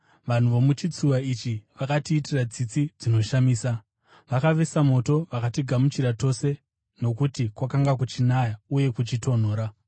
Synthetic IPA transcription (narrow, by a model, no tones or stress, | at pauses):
ʋan̤uʋo̞mut͡ʃit͡suʋait͡ʃiʋakatiːtirad͡zit͡sid͡zino̞ʃamiːsa | ʋakaʋesamo̞to̞ʋakatiɡʱamut͡ʃiɾato̞se̞ | no̞kutikwakaŋɡak̬ut͡ʃinajauje̞kut͡ʃito̞n̤o̞ːɾa